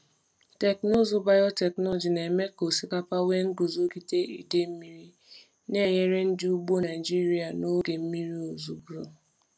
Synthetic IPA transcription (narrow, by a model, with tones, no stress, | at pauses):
te˨kno˦zu˦ba˨jɔ˦te˨knɔ˦ɔ˨d͡ʒi˨ne˨me˦ko˨si˦ka˦pa˦we˦ŋ̩˦ɡu˨zo˦ki˦te˦ḭ˨de˦m̩˦mi˦ɾi˦ | ne˦˨je˦ɾe˦n̩˦dɪ˦u˦ɡ͡bo˦na˨ɪ˨d͡ʒi˦ɾi˨a˨no˦ɡe˨m̩˦mi˦ɾi˦o˨zu˨ɡɾo̰˦